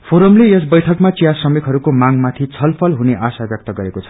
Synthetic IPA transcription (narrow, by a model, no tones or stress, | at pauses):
pʰoɾomlejʌs̬bʌjʈʰʌkmat͡sijasʌmikɦʌɾukomaŋmat̪ʰit͡sʰʌlpʰʌlɦuneʔasabjʌk̚t̪ʌɡʌɾekot͡sʰʌ̥